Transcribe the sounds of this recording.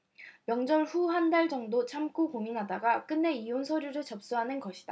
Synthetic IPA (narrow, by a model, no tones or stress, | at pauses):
mjʌŋd͡ʑʌɭɸuɦandaɭd͡ʑʌŋdot͡ɕʰamk͈okoŋinɦadaɡak͈ɯnːe̞ionsʰʌɾjuɾot͡ɕʌp̚s͈uɦanɯnɡʌɕʰi̥d̥a